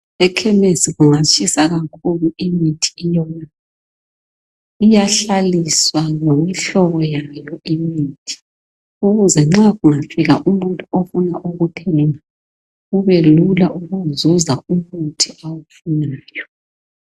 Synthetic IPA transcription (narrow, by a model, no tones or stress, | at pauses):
ɛkʰɛmesiɣuŋat͡ʃʼʰisaɣakʰuluimitʰi̥ːjɔna | ijaɬaliswaŋomiɬɔβɔjajɔʔimiːtʰi̥ | uɣuzɛŋ͡ǁaɣuŋafiɣaʔumuntʰʼuofunaʔuɣutʰɛŋa | ɣuβɛlulaʔuɣuzuzaumuntʰiawufunaːjɔ